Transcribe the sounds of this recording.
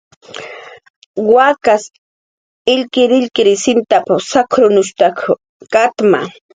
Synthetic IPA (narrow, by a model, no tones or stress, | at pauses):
wakas | ɪʎkɪɾɪʎkɪɾɪsɪnt̪apasakʰɾʊnʊʃt̪akʰ | kat̪ma̰